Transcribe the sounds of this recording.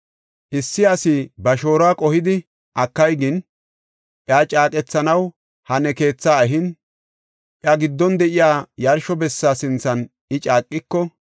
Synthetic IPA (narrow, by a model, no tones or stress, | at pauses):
ʔɪsːɪɐsɪbɐʃo̞ːɾaːkʼɔhɪd̪ɪ | ʔɐkːɐjɡɪn | ʔjaːt͡ʃʼaːkʼɛt͡sːɐnɐw | hɐnɛke̞ːt͡sːaːɛɦɪn | ʔjɐɡɪd̪ːɔnd̪ɛʔɪjaːjɐɾʃɔbɛsːaːsɪnt͡sːɐn | ɪt͡ʃʼaːkʼːɪkːɔ